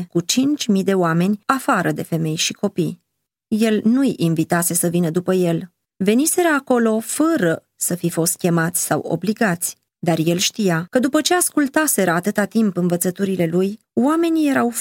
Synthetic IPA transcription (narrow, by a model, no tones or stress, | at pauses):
kut͡ʃint͡ʃʲmid̪e̞oame̞nʲafaɾəd̪e̞fe̞me̞jʃiko̞pij | je̞lnujinvit̪ase̞səvinəd̪upəje̞l | ve̞nise̞ɾaːko̞lo̞fəɾə | səfifo̞st̪̚kʲe̞mat̪sʲsawo̞̰bliɡat̪sʲ | d̪arje̞lʃt̪ijakəd̪upət͡ʃe̞askult̪ase̞ɾaːt̪ɨt̪at̪impɨnvət̪sət̪uɾile̞luj | wame̞nʲije̞ɾaw